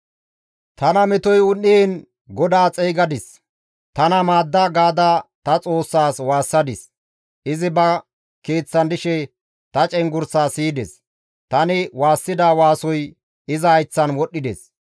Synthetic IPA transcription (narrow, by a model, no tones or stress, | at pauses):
t̪ɐnɐmɛt̪ɔjʊnːin | ɡɔd̪aːt͡sʼɛːɡɐd̪ɪs | t̪ɐnɐmaːd̪ːɐɡaːd̪at̪ɐt͡sʼo̞ːsːaːswaːsːɐd̪ɪs | ʔɪzɪbɐ | ke̞ːt͡sːɐnd̪ɪʃɛ | t̪ɐt͡ʃʼɛŋɡʊɾsaːsiːd̪ɛs | t̪ɐnɪwaːsːɪd̪awaːsɔj | ɪzɐɐjt͡sːɐnwɔɗːɪd̪ḛs